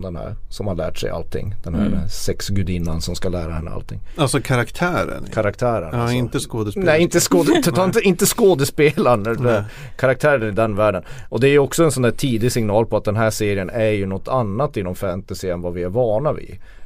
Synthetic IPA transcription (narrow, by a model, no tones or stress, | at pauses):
d̪ɛnhæ̰ɾsɔmhalæ̰ːʈʂɛ̰ɪja̰lt̪ʰɪ̰ŋːd̪̥ɛnhæ̰ɾsɛksɡʉd̪ɪnːansɔmskalæːɾa̰hɛnːə̰a̰lt̪ʰɪ̰ŋːalsɔkʰaɾakt̪ʰæːɾə̰nkʰaɾakt̪ʰæːɾə̰nɪnt̪əskoːd̪əsnɛɪnt̪əskoːd̪ɛɑɪnt̪əɪnt̪əskoːd̪əspeːlaɳ | kʰaɾak̚t̪ʰæːɾənɪd̪ɛnvæːɖənɔd̪ɛæɾjɵɔksɔɛnsɔnd̪æːʈʰiːd̪ɪɡsɪŋnɑːlpʰɔat̪̚d̪ɛnɦæːʂeːɾɪənæɾjɵnɔt̪ʰːanːat̪ːɪnɔmfænt̪asɪɛnvavɪæɾvɑːɳaɪ̰